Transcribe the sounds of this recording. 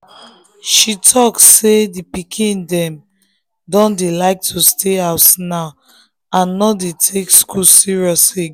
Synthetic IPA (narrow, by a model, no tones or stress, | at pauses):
ʃitʰɔksedipikʰĩndɛ̃m | dɔ̃ndelaɪk̚tʰustʰeaʊtnaʊ | ãnːɔdetʰekskusiɹiɔse